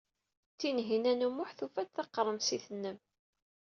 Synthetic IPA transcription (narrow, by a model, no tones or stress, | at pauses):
t͡sːinɦinænumʊħθufæt͡sθɑqːɾˤəmsiθənːəm